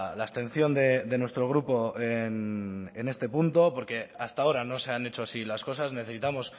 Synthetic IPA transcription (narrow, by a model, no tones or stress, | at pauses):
laest̪ẽ̞n̟θjo̞nd̪e̞d̪e̞nwest̪ɾo̞ɣ̞ɾupo̞enene̞st̪e̞punt̪o̞po̞ɾke̞ast̪ao̞ɾano̞se̞ane̞t͡ʃo̞asilasko̞sazne̞θe̞sit̪amo̞s